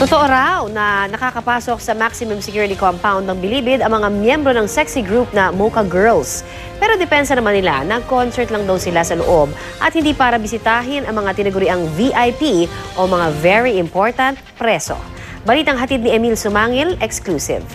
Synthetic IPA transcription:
t̪ot̪oʔoɾawnɐnɐkakɐpaːsok̚sɐmaksɪmʊmsɛkjuɹɪt̪ikompawnd̪ɐŋbɪliːbɪd̪ɐŋmɐŋamjɛmbɾonɐŋsɛksiɡɹup̚nɐmokɐɡɛɹls | pɛːɾo̞d̪ɛpɛnsɐnɐmanːɪla̰nɐɡkonsɛɹt̪lɐŋd̪ɐwsɪlasɐlo̰ʔo̞b̚ | ʔɐt̪̚hɪnd̪iːpaːɾɐbɪsɪt̪aːɦɪnʔɐŋmɐŋat̪ɪnɐɡʊɾɪʔaŋviʔajpiʔomɐŋavɛɹiʔɪmpo̞ɹt̪ɐnt̪̚pɾɛso̰ | bɐliːt̪ɐŋɦɐt̪id̪̚nɪʔɛmilsʊmaːŋɪlʔɛksklusɪ̰v

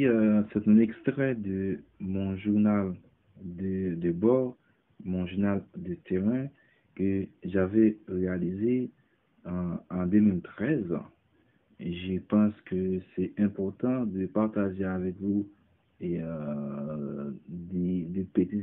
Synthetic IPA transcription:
sɛt̪ɛ̃nɛkst̪ʁɛd̪əmɔ̃ʒuʁnal | d̪əd̪əbɔʁ | mɔ̃ʒuʁnald̪ət̪eʁɛ̃ | kəʒavɛʁealizẽ | d̪ømilt̪χɛz | ʒəpɑ̃skəsɛɛ̃pɔʁt̪ɑ̃d̪əpaʁt̪aʒeavɛkvu | e | d̪ed̪epet̪i

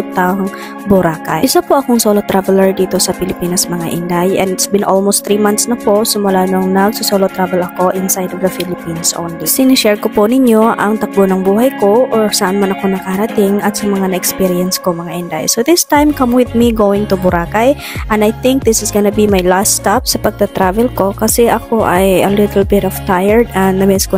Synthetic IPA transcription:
ut̪ɐŋ | bʊɾaːkɐ̰jʔɪsapoʔɐkoŋsolot̪ɾavɛlɐɹd̪iːt̪o̞sɐpɪlɪpiːnɐsmɐŋaʔɪnd̪ajɛ̰nd̪ɪt̪sbɪnʔolmost̪ɾimant̪snɐposɪmʊlaːloŋnɐɡ̚sʊsolot̪ɾavɛlʔɐko̞ʔɪnsajd̪ovd̪ɐfilɪpinsʔo̰nlisɪnɪʃɛɹkopʊnɪɲo̞ʔɐŋt̪ɐk̚bonɐŋbuːɦɐjko̞ʔʔoɹsɐʔanmanɐko̞nɐkaɾɐt̪ɪŋɐt̪sɐmɐŋanɐʔɛkspiɾɪɛnskomɐŋaʔɛnd̪a̰ʔɛ̰soðɪst̪ãjmkɐmwɪðmiɡowɪ̃ŋt̪ʊbʊɾʔaːkaj | ʔɛ̃nd̪ajθɪ̃ŋk̚d̪ɪsɪsɡɐnɐbimajlast̪ɛpsɐpɐɡ̚t̪ɐt̪ɾavɛlko̞kɐsɛʔɐkoʔɐjɐlɪt̪lbɪt̪ɔft̪ajɛɹd̪ɐnnɐmɪsko

